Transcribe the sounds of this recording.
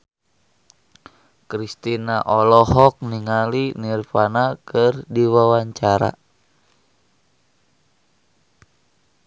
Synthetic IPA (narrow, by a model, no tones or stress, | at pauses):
kɾist̪inaʔɔlɔɦɔk̚niŋalinirpanakɨrdiwawaɲt͡ʃaɾa̰